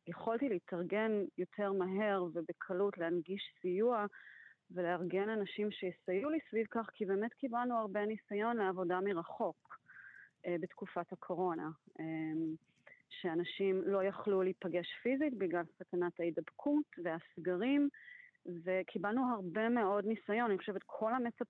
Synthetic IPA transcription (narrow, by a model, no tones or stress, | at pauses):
jeχoltileitʰaʁɡe̞njo̞tʰeʁmaɦe̞ʁvebekʰalutleanɡiʃsijuaveleaʁɡenanaʃimʃejesajulisvivkaχkʰibe̞ːmetkibalnuaʁbenisajo̞nleavo̞damiʁaχo̞k | be̞tkufathakʰo̞ʁo̞naʔem | ʃeanaʃimlo̞jaχluliːpaɡe̞ʃfizitbilɡlalsakanathaidabkʰutveasɡaʁim | ve̞kʰibalnuɦaʁbe̞me̞o̞dnisajo̞naniχoʃevet̪kʰo̞lhamet͡sap